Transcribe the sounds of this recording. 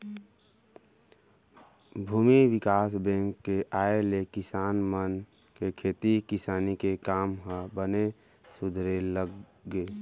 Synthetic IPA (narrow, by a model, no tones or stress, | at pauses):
bʱuːmiwɪkaːsbɛ̃ŋkːeʔaːelekɪsaːnmən | kekʰeːt̪ikɪsaːnikekaːmɦə̃bəne | sʊd̪ʱɾelə | ɡeː